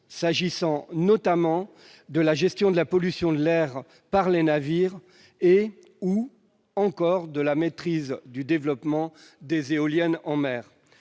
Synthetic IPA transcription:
saʒisɑ̃nɔt̪amɑ̃ | d̪əlaʒɛst̪jɔ̃d̪əlapɔlysjɔ̃d̪əlɛʁ | paʁlenaviʁ | e | u | ɑ̃kɔʁd̪əlamet̪χizd̪yd̪evlɔpmɑ̃d̪ezeɔljɛnɑ̃mɛːʁ

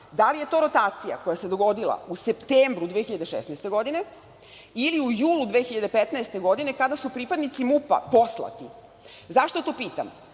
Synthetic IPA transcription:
d̪alije̞t̪o̞ːɾo̞t̪aːt̪sija̰ko̞jase̞d̪oɡo̞d̪ilˠa̰use̞pt̪eːmbɾud̪ʋexiʎad̪eʃḛsnaest̪e̞ɡo̞d̪ine̞ | iliujuːlud̪ʋeːxiʎad̪epet̪naest̪e̞ɡo̞d̪ine̞kad̪asupɾiːpad̪nit̪simupa̰po̞slˠa̰t̪i | zaʃt̪o̞t̪o̞ːpiːt̪a̰m

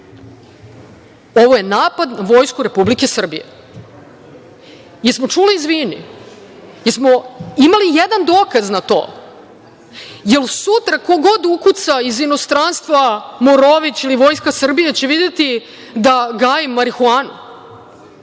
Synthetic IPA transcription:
o̞ʋo̞je̞naːpad̪naʋo̞ːjskuɾe̞publike̞sr̩bijḛ | jeɾsmo̞t͡ʂuliːzʋiːnḭ | jeɾsmo̞imalijed̪and̪o̞ːkaznat̪o̞̰ː | jelsut̪ɾako̞ɡo̞d̪ukut̪saizino̞st̪ɾanst̪ʋamoɾoʋit͡ɕiliʋo̞ːjskasr̩bijet͡ɕeʋid̪et̪i | d̪aɡaːjimːaɾixuaːnṵ

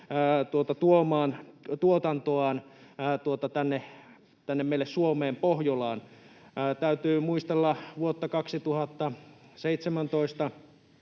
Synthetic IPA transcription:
t̪uot̪ɑt̪uomɑːnt̪uot̪ɑnt̪oɑːˑnːt̪uot̪ɑt̪ænːe | t̪ænːemmeilessuomeːmpohjolɑːn | t̪æyt̪yːmuist̪elːɑʋuot̪ːɑkɑksit̪uhɑt̪ːɑseit̪semænt̪oist̪ɑ

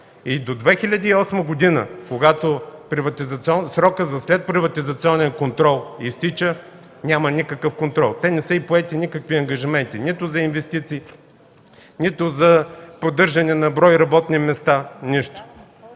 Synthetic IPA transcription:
id̪od̪vɛxilʲɐd̪iːɔsməɡod̪inə̰koɡat̪opɾivɐt̪izɐt̪siɔnsɾɔkəzɐslɛt̪̚pɾivɐt̪izɐt̪siɔnɛnkont̪ɾɔlˠist̪it͡ʃə | nʲamənikəkəfkont̪ɾɔlˠt̪ɛnɛsəipoɛt̪inikəkviɐŋɡɐʒimɛnt̪init̪ʊzɐinvɛst̪it̪siː | nʲit̪ʊzɐpod̪ɤɾʒɐnɛnɐbɾɔjɾɐbɔt̪nimɛst̪aniʃt̪ʊ̥

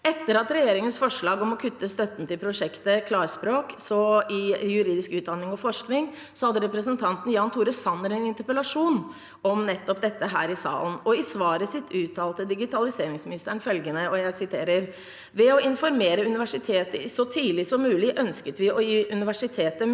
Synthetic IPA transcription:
ɛt̪ːəɾɑt̪ɾɛjeːɾɪŋənsfɔʂɭɑːɡɔmɔkʰʉt̪ːəst̪œt̪ːn̩t̪ɪlpʰɾʊʂɛkt̪əkʰlɑːɾspɾoːksɔɪjʉɾiːd̪ɪskʉːt̪̚d̪ɑnːɪŋɔfɔʂknɪŋ | sɔhɑd̪ːəɾɛpɾəsənt̪ʰɑnt̪n̩jɑːnt̪ʰuːɾəsɑnːəɾɛɪnɪnt̪əɾpəlɑʂuːn | ɔmnɛt̪ːɔp̚d̪ɛt̪ːəɦæ̰ːɾɪsɑ̰ːlnɔɪsʋɑːɾəsɪt̪ʰːʉːt̪ʰːɑːlt̪əd̪ɪɡɪt̪ʰɑlɪseːɾɪŋsmɪnɪst̪əɳfœlɡənəɔjæɪsɪt̪ʰeːɾəɾ | ʋɛɔɪnfɔɾmeːɾəʉnɪʋæʂɪt̪ʰeːt̪əsɔt̪ʰiːlɪsɔmːʉːlɪʔœnskət̪ʋɪʔɔjiːʔʉnɪʋæʂɪt̪ʰeːt̪ə

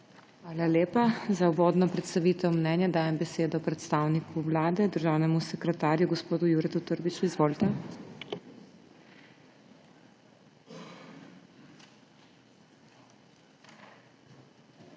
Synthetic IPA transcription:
xʋaːlaljeːpazauʋoːd̪nɔpɾɛt̪st̪aʋiːt̪ɛwmnɛːnjad̪aːjɛmbɛseːd̪ɔpɾɛt̪st̪aːwnikʰuwlaːd̪ɛd̪əɾʒaːwnɛmusɛkɾɛt̪aːɾjuɡɔspoːd̪ujuɾɛt̪ut̪əɾbit͡ʃuizʋoːlt̪ɛ

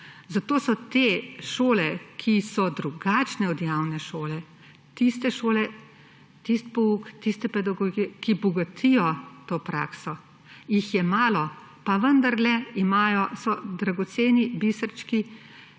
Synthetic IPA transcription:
zat̪oːsɔt̪eːʃoːlɛkʰisɔd̪ɾuɡaːt͡ʃnɛɔd̪jaːwnɛʃoːlɛ | t̪ist̪ɛʃoːlɛ | t̪ist̪̚pɔuːkt̪ist̪ɛpɛd̪aɡɔɡiɛkibɔɡat̪ʰijɔt̪oːpɾa̰ːksɔ | jixjɛmaːlɔ | paʋənd̪aɾlɛimaːjɔsɔd̪ɾaɡɔt̪seːnibisəɾt͡ʃki

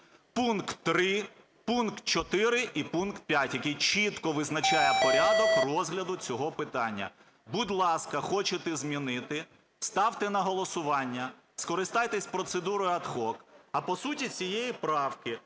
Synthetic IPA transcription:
punkt̪ːɾɪ | punkt̪̚t͡ʃɔt̪ɪɾɪʔipunkt̪̚pʲjatʲjɐkɛjt͡ʃit̪kɔʋɪznɐt͡ʃajɛpɔɾʲad̪ɔkrɔzɦlʲɐd̪ʊt͡sʲɔɦɔpɪt̪ɑnʲːɐ̰ | bud̪ʲlˠɑskɐxɔt͡ʃet̪ɛzmʲinɪt̪ɪ | st̪ɑwt̪ɛnɐɦɔlˠɔsʊʋɑnʲːɐ | skɔɾɪst̪ɑjt̪ɛsʲpɾɔt̪sed̪uɾɔjʊɐd̪xɔkɐpɔsutʲit͡sʲijejipɾɑwkɪ

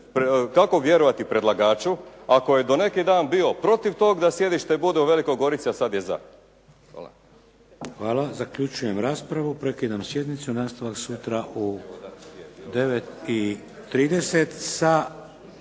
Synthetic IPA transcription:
pkako̞ʋje̞ɾoʋat̪ipɾed̪lˠaɡaːt͡ʃuakojed̪one̞kid̪aːnbio̞pɾo̞t̪iʋt̪oːɡd̪asje̞d̪iʃt̪ebud̪euʋe̞likoɡo̞ɾit̪siasad̪jeza̰ | xʋaːlazakʎut͡ʃuje̞mɾaːspɾaʋupɾe̞kid̪amsje̞d̪nit̪sunaːst̪aʋaksut̪ɾaʔu | d̪e̞ʋet̪iː | ɾiːd̪e̞set̪sa

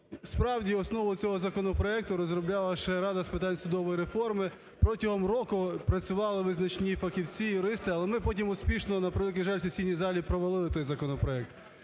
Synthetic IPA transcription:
spɾɑwdʲiɔsnɔʋʊt͡sʲɔɦɔzɐkɔnɔpɾɔɛk̚t̪ʊɾɔzɾɔblʲɑlˠɐʃɛɾɑd̪ɐspɪt̪̬ɑnʲsʊd̪ɔʋɔjɾefɔrmɪ | pɾɔtʲɐɦɔmrɔkʊpɾɐt͡sʲʊʋɑlˠɪʋɪznɐt͡ʃnʲifɐxʲiwt͡sʲijʊɾɪst̪ɪɐlˠɛmɪpɔtʲimʊsʲpʲiʃnɔnɐpɾʋk̬ʲɪʒɑlʲsʲɐsʲinʲːizɑlʲipɾɔʋɐlˠɪlˠɪt̪ɔjzɐkɔnɔpɾɔɛk̚t̪

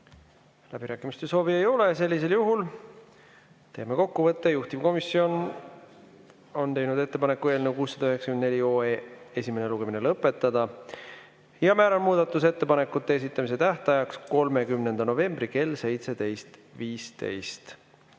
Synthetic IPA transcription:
læb̥iɾæːkːˑimist̪eso̞ːvie̞jo̞le̞se̞lʲːis̬e̞ljuɦul | t̪e̞ːmeko̞kːuvɤt̪ːejuht̪ib̥ko̞misːio̞n | o̞nt̪e̞jnud̪e̞t̪ːe̞pɑnekːueːlne̞wkuːsːɑd̪ɑøɦeksɑkyend̪ne̞lʲio̞ːeːe̞sʲime̞neluɡe̞minelɤpːˑe̞t̪ˑːɑd̪̥ɑ | jɑmæːɾɑnmuːd̪̥ɑt̪ːˑus̬e̞t̪ːe̞pɑnekːˑut̪ːˑe̞es̬it̪ˑːɑmis̬e̞t̪æht̪ɑjɑksko̞lme̞kymne̞nd̪̥ɑno̞ve̞mb̥rike̞lse̞jt̪se̞d̪e̞jst̪viːst̪e̞̰jst̪

